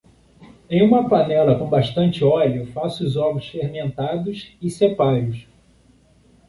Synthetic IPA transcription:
ẽj̃ũmɐpanɛlɐkõbaʃt̪ɐ̃nt͡ʃɪɔlʊfasʊʊzɔɡɾʊsfehmẽnt̪ad̪ʊsɪsepaɾʊs

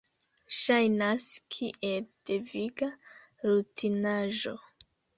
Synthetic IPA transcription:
ʃajnaskʰiʔeld̥eviɡa | ɾutʰinaʒo̞

